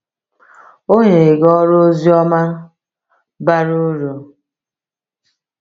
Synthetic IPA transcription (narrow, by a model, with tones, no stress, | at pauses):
o˦ɲe˨ɡɔ˦ɾo˦zi˦ɔ˦ma˦ | ba˦ɾu˦ɾo˨